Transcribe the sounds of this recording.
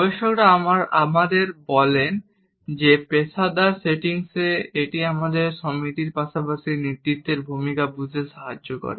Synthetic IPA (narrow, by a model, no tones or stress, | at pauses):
beʃokɾaamaɾa̰mad̪eɾbɔlen | d͡ʑepesad̪aɾseʈiŋseeʈiamad̪eɾʃɔmit̪iɾpaʃapaʃinit̪ːit̪ːeɾbʱumikabud͡ʑʱeʃaɦad͡ʑːokɔ̰ɾḛ